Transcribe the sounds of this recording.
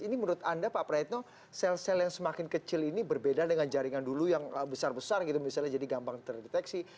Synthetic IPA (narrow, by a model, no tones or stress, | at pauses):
inimənuɾʊt̪andapapɾait̪̚no | sɛlsɛljaŋsəmakɪnkət͡ʃɪlinibərbedadəŋand͡ʒaɾiŋandulujaŋəbəsarbəsarɡit̪umisalɲahd͡ʒadiɡambaŋt̪ərdet̪ɛksi